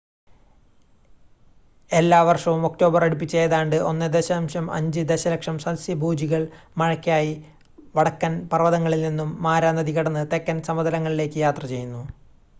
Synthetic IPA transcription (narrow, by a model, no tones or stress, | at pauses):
e̞lːaːʋɐrʂɐʋumo̞kʈo̞ːbɐrɐɽup̬ːit͡ɕːe̞jɐðaːɳɖɨo̞nːɨd̪eɕaːmɕɐmɐ̰ɲd͡ʑɨd̪e̞ɕɐlɐkʂɐmsɐnsjiɐbʱuːd͡ʑiɣɐɭmɐɻɐkʲːaːji | ʋɐɽɐkːɐnpɐrɐʋɐðɐŋːɐɭilninːumːaːɾaːnːɐd̪iɣɐɽɐnːɨt̪e̞kːɐnsɐmɐd̪ɐlɐŋːɐɭile̞ːkːɨjaːt̪rɐt͡ɕe̞junːu